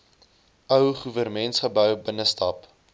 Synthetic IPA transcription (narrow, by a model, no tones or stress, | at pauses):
œwχuvərmɛntsχəbœwbənəstɐp